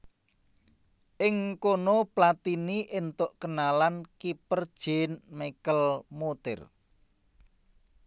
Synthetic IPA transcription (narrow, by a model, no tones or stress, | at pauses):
ʔɪŋkonoplat̪iniʔent̪ʊʔkənalankipərd̥ʒ̥enmekəlmot̪ɪ̰r